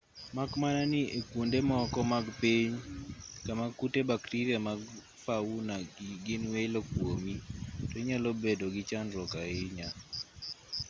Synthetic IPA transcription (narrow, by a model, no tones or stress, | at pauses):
makmananɪekwondemɔkɔmaɡpiɲkamakutebaktiɾiamaɡ | faunaɡɪnwejlokwomitoiɲalobedoɡɪt͡ʃandɾɔkaɪɲa